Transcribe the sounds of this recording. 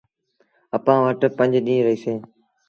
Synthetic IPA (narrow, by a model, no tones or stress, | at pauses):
əpãːʋəʈpə̃ɲd͡ʒɗĩːɾəɦiːsẽː